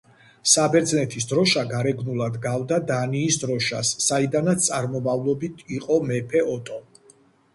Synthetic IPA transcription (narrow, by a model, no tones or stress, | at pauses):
sabɛɾd̪znɛt̪ʰisd̪ɾɔʃaɡaɾɛɡnulˠad̪ɡavd̪ad̪aniːsd̪ɾɔʃa̰sːaid̪anat̪st̪ʼaɾmɔmavlˠɔbit̪ʰiqʼɔmɛpʰɛɔt̪ʼɔ